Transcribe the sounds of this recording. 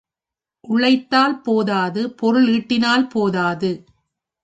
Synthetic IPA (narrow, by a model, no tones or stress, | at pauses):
ʔʊɭɐɪt̪ːaːlpoːðaːðɯpɔɾɯɭiːʈːɪnaːlpoːðaːðɯ